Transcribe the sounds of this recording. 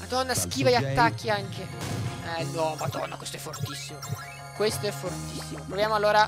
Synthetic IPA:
ad̪ɔnːask̟iːvaat̪ːak̟ːiaŋk̟eɛnwɔmad̪ɔ̰nːakwest̪oɛfːort̪isːimo | kwest̪oɛfːort̪isːimopɾovjaːmoalːoːɾa

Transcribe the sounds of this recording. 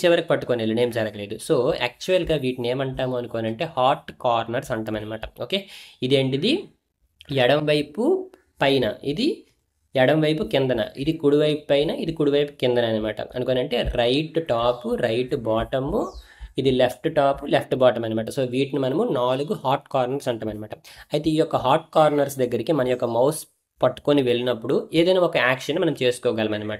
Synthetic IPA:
t͡ʃiʋɐɾɐkipɐʈːukoːnelːune̞ːmd͡ʒɐɾɐkɐle̞ːd̪uso̞ːɐ̰k̚t͡ʃuɐlɡaːʋiːʈne̞ːmɐɳʈaːmuːɐnuko̞ːnɐɳʈe̞ːhaːɾʈkaːɾnɐɾsɐɳʈɐmɐnɐmaːʈɐoːke̞ːid̪e̞ːɳʈid̪i | ɛɽɐmʋɐjpu | pɐjnɐ̰id̪i | ɛɽɐmʋɐjpukind̪ɐnɐ̰id̪ikuɽuʋɐjpːɐjnɐid̪ikuɽuʋɐjpu̥kind̪ɐnɐːnɐmaːʈɐ̰ʔɐ̰nukoːnɐɳʈe̞ːɾɐjʈʈaːpuɾɐjʈbaːʈɐmu | id̪ilepʰʈʈaːpulepʰʈbaːʈɐmɐnɐmaːʈ̬ɐso̞ːʋiːʈnimɐnɐmunaːluɡuhaːʈkaːɾnɐɾsɐɳʈaːmɐnɐmaːʈɐmɐjt̪e̞ːijɔkːɐɦaːʈ̚kaːɾnɐɾsd̪ɐɡːɐɾikimɐnɐjɔkːɐmɐws | pɐʈːu̥koːniʋe̞ɭːinɐpːuɽueːd̪ɐjnaːɔkɐaːkʂɐnːmɐnɐmt͡ʃe̞ːsu̥kɔːɡaːlimɐnɐmaːʈɐ

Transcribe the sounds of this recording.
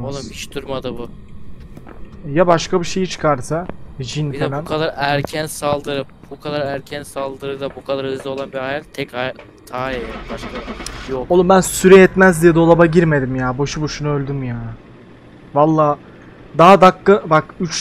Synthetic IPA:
olumiʃd̪uɾmad̪ɯbu | jabaʃkabiʃe̞jit͡ʃʰɯ̥kʰaɾsad͡ʒinfelænkʰad̪aɾæɾcʰænsalˠd̪ɯɾɯ | bukʰad̪aɾæɾcʰænsalˠd̪ɯɾɯd̪abukʰad̪aɾɯzlˠɯo̞lˠanbihajat̪t̪ʰɛca | t̪ʰaːjɛjabaʃkajoolˠumbænsyɾɛɛt̪mæzd̪ijɛd̪o̞lˠabaɟiɾme̞d̪imjaːbo̞ʃuboʃunuølʲd̪ymyjaː | valˠːaː | d̪aɦad̪akːɯbakyt͡ʃ

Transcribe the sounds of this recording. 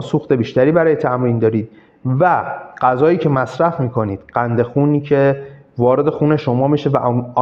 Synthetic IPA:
suːxt̪e̞biːʃt̪æɾiːbæɾɒːje̞t̪ʰæmɾiːnd̪ɒːɾiːd̪̥̚ | væɢ̥æzɒːiːcʰe̞mæsɾæfmiːkʰo̞niːd̪̥ɢænd̪e̞xuːniːcʰe̞ | vɒːɾe̞d̪e̞xuːne̞ʃo̞mɒːmiʃe̞væ̰ʔ

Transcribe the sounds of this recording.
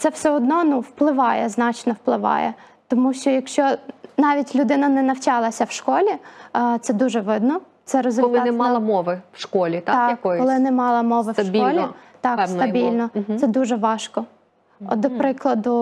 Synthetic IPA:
t̪sɛwsɛɔd̪nɔnuwplˠɪʋɑjɛznɑt͡ʃnɔwplˠɪʋɑ̰jɛ̰ | t̪ɔmuʃt͡ʃɔjɐkʃt͡ʃɔnɑʋʲitʲlʲʊd̪ɪnɐnɛnɐwt͡ʃɑlˠɐsʲɐwʃkɔlʲit̪sɛd̪uʒɛʋɪd̪nɔ | t̪sɛɾɔzʲɔlʲɪnɛmɑlˠɐmɔʋɪwʃkɔlʲit̪ɑɑkkɔjkɔlˠɪnɛmɑlˠɐmɔʋɪwʃbʲɔlʲit̪ɑkɛsnt̪ɐbʲilʲnɔsɛd̪uʒɛʋɑʃkɔ | ɔ̰d̪ɔpɾɪklˠɐd̪ʊ

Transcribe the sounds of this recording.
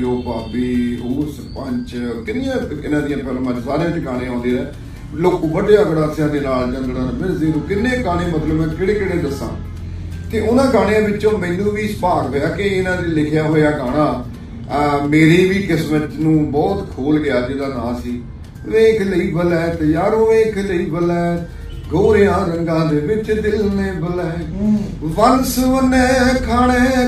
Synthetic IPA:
oːpaːbiːʊːs | pəɲt͡ʃkɪnːɪjãːɪnãːd̪ijãːpɛlmãːd͡ʒsaːɾeãːt̪eɡãːɽ̃ẽãːnd̪eːɾɛː | loːkõːbəɖeːəɡəɽaːsjãːd̪eːnaːld͡ʒə̃nd̪ɽãːnmɪɾziːɾũːkɪnːeːɡaːɽẽːmət̪ləbmɛ̃ːkɪɽeːkɪɽeːd̪əsːã̰ː | k̪eʔʊnãːɡãːɽ̃ẽãːbɪt͡ʃõːmɛ̃ːnũːʋiːspaːɡɦoːjaːkɪɪnãːd͡ʒelɪkʰjaːɦoːjaːɡaːɽ̃ãː | meːɾeːʋiːkɪsmət̪nũːbɔːt̪kʰoːlɡɪjaːd͡ʒɪd̪aːna̰ːsiː | ʋeːkʰləiːbəlɛːt̪jaːɾoːeːkləiːbəlɛː | ɡoːɾjãːɾəŋɡãːd̪eːʋɪt͡ʃd̪ɪlneːbəlɛː | ʋənsʋənɛːkʰaːɽeː

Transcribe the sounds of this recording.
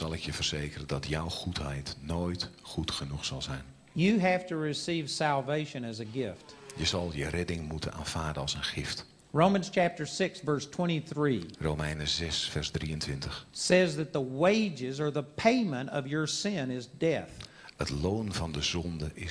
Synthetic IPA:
z̥ɑlˠɪkjəv̥ərz̥eːkərəndɑtjɔwχutɦɛjtnoːjtχutχənuχsɑlˠzɛjn | jɨɦæftɨɹɪsiv̥sælˠveɪʃɨ̃nɨzɨɡɪftjəzɑlˠjərɛdɪŋmutə̰na̰ːnv̥aːɹdənɑlˠsənχɪft | ɹõʊ̃mə̃nz̥t͡ʃʰæp̚tə˞sɪksvɜ˞stʰw̥ɛ̃ɾ̃iθɹirowmɛjnəzɛsfɛrzdriəntʋɪntəχsɛzðɨt̪̚ðəweɪd͡ʒɪzə˞ðəpʰẽɪ̃mə̃ɾtʌ̰vjə˞sɪ̃nɪzdɛθ | hətlownvɑndəzɔndəʔɪ

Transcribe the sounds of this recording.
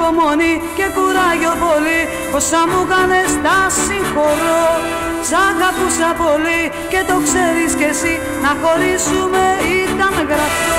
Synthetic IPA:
omo̞ni | ce̞kuɾɐʝo̞po̞li | posːɐmukɐnest̪ɐsiŋxo̞ɾo | sɐɡɐpusɐpo̞li | ce̞t̪o̞kseɾiscesi | nɐxo̞ɾisumeit̪ɐnɣɾɐfo

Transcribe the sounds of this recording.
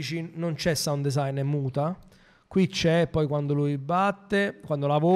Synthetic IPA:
t͡ʃinont͡ʃɛsːaund̪ezajnɛmːuːt̪a | kwit͡ʃːɛːpːɔjkwand̪olujbːat̪ːekwand̪olavo

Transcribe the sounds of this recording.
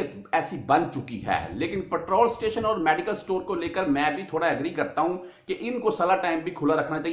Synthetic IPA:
ɛːsibɐ̃n̚t͡ʃʊkḭɦɛ̰ːleːkɪnpɛʈɾoːlsʈeːʃənɔːɾmɛːɖɪkəlsʈoːɾkoleːkəɾmɛ̃bʱit̪ʰoːɽaɐɡɾiːkɐɾt̪aɦũ | keʔɪnkosɐlaʈaːɪmbʱikʰʊlaɾɐkʰnat͡ʃaːɦi

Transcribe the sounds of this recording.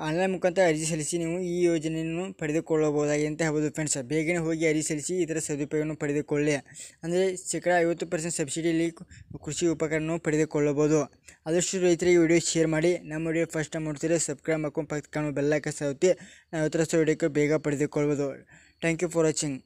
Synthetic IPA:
aːnlɐjmukʰant̪ʰɐɐɾd͡ʒis̬ɐlisiniːʋuiːjoːd͡ʒɐnejɐnːupɐɽed̪ukɔɭːɐbɐʋud̪aːɡiɐnt̪eɦɐʋɐd̪upʰeɳsbɛːɡɐneɦoːɡiɐɾd͡ʒisɐlisiːt̪ɐɾɐsɐd̪upɐɡɐnːupɐɽed̪ukɔɭːeɐnd̪ɐɾesɛkɐɽɐɐjʋɐt̪ːupɐɾs̬eɳʈsɐbsiɖijɐlːikɾuʃiupːɐkɐɾɐnːupɐɽed̪ukɔɭːɐboːd̪u | ɐd̪ɐʂʈuɾɐjt̪ɐɾiɡeʋiːɖijoʃejɐɾmaːɽinɐmːɐʋiɖijopʰɐsʈɐmuʈt̪iɾesɐb̚kɾaːmɐkːumpɐkt̪kamɐbɛlːaːkɐsɐt̪ːe | nɐʋɐt̪ːɐɾɐst̪uʋiːɖjokːebɛːɡɐpɐɽed̪ukɔɭɐbɐd̪u | ʈaːŋkjupʰɐɾɐt͡ʃiŋɡ

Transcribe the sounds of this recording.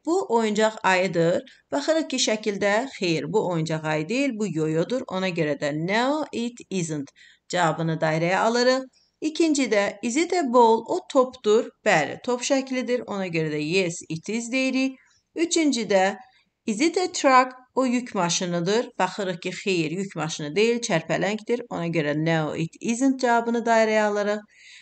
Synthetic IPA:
b̥uʔo̞jund͡ʒɑʁɑjɯd̪ɯɾ | b̥ɑχɯɾɯχciʃæcʰild̪æxejiɾbuo̞jund͡ʒɑʁɑjɯd̪ejilbujo̞jod̪uɾo̞̰nɑɟø̞ɾæd̪æneoʔit̪ʰizɯnt̪ | d͡ʒɑvɑbɯnɯd̪ɑjɾɑjɑɑlˠɯɾɯʁ | icʰind͡ʒid̪æizit̪ʰebolˠot̪ʰopʰd̪̥uɾb̥æɾḭt̪ʰo̞pʃæcʰlid̪iɾo̞nɑɟø̞ɾæd̪æjesit̪ʰizd̪ejiɾi | yt͡ʃʰynd͡ʒid̪æ | izit̪ʰet̪ʰɾakojycʰmɑʃɯnɯd̪ɯɾb̥ɑχɯɾɯχcʰixejiɾjycʰmɑʃɯnɯd̪e̞jilt͡ʃʰæɾpʰælæɲcd̪iɾo̞̰nɑɟø̞ɾæneo̰ʔḭt̪ʰizɯnt̪̚d͡ʒɑvɑbɯnɯd̪ɑjɾɑjɑːlˠɯɾɯχ

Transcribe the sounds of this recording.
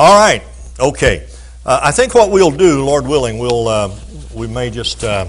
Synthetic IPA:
ɔlˠɹaɪt̚ | oʊkʰeɪ | ʔaɪθɪ̃ŋkwʌt̚wil̩ˠdɨlɔɹd̚wɪlˠɪ̃ŋwilˠʌ | wimeɪd͡ʒʌstʌ

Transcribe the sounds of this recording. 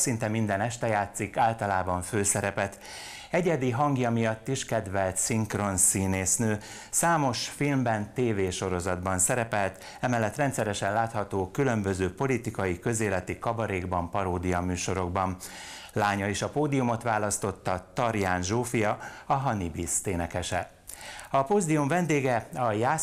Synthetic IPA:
sint̪ɛmind̪ɛnɛʃt̪ɛjaːt̪sikaːlt̪ɒlaːbɒɱføːsɛɾɛpɛt̪ | ɛɟɛd̪iɦɒŋɡjɒmijɒt̪ːiʃkɛd̪ʋɛlt̪siŋkro̞nsiːneːsnøː | saːmo̞ʃfilmbɛnt̪eːveːʃo̞ɾo̞zɒd̪bɒnsɛɾɛpɛlt̪ | ɛmɛlːɛt̪rɛnt̪sɛɾɛʃɛnlaːt̪hɒt̪oːkylø̞mbø̞zøːpo̞lit̪ikɒjikø̞zeːlɛt̪ikɒbɒɾeːɡbɒmpɒɾoːd̪ijɒmyːʃo̞ɾo̞ɡ̚bɒn | laːɲɒiʃɒpoːd̪ijumo̞t̪ʋaːlɒst̪o̞t̪ːɒt̪ɒɾjaːnʒoːfijɒɒɦɒnibist̪eːnɛkɛʃɛ | ɒpoːzd̪iuɱvɛnd̪eːɡɛɒjaː

